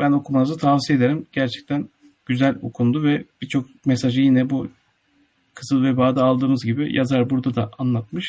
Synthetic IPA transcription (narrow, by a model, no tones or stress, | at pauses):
b̥æno̞kʰumanɯzɯt̪ʰavsijed̪e̞ɾimɟ̥æɾt͡ʃʰɛ̥c̚t̪ʰæn | ɟ̥yzælʲo̰kʰund̪uvɛb̥it͡ʃʰo̞k̚ | mesaʒɯjinɛbu | kʰɯzɯlˠvɛbaːd̪aːlˠd̪ɯːmɯzɟibḭjʔazaɾbuɾd̪ad̪aʔanlˠat̪̚mɯʃ